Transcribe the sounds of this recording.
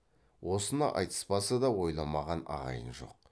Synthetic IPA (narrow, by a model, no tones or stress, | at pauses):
wo̞sənɑ̰ʔɑ̰jt̪ə̥spɑsəd̪ɑwo̞jlˠɑmɑʁɑnɑ̰ʁɑ̰jənʒo̞̰q̚